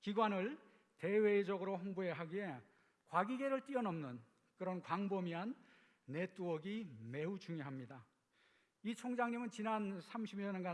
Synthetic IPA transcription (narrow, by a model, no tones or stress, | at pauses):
kiɡwanɯɭ | te̞we̞id͡ʑʌɡɯɾoɸoŋbueɦaɡie̞ | kwaɡiɡe̞ɾɯɭt͈iʌnʌmnɯn | kɯɾʌnkwaŋbʌmianː | e̞t͈uʌɡime̞ut͡ɕuŋjoɦamɲida | it͡ɕʰoŋd͡ʑaŋɲimɯnt͡ɕinansʰamɕʰibɲʌnenɡa